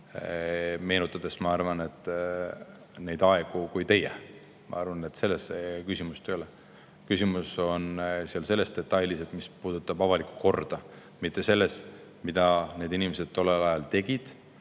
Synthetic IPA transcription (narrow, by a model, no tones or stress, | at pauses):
me̞ːnut̪ˑːɑd̪̥e̞smɑɑrvɑne̞t̪ˑː | ne̞jd̪ɑe̞ɡ̥ukujt̪e̞jɛ̰ | mɑ̰ɑrvɑnet̪ːse̞lːesekysimust̪øole | kysʲimuso̞nsiɑlse̞lːe̞st̪e̞t̪ːˑɑjlise̞d̪̥mispuːd̪̥ut̪ːˑɑbɑvɑliku̥ko̞rd̪̥ɑ | mit̪ːe̞se̞lːe̞st̪ | mid̪̥ɑne̞ːd̪inimese̞d̪̥̚t̪o̞lːelɑjɑlt̪e̞ɡ̥id̪̥